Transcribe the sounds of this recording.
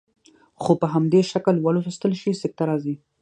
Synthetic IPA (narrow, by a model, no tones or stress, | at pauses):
xopəɦamd̪eʃakəlwalosəst̪əlʃisɪk̚t̪aɾɑzi